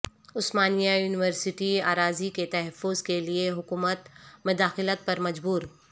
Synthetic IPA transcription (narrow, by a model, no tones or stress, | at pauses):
ʊsmaːnijajuːnɪwəɾsɪʈia̰ːɾaːziket̪ɐɦɛfːʊzkelieɦʊkuːmət̪mʊd̪aːxɪlət̪̚pɐɾmɐd͡ʒbuːɾ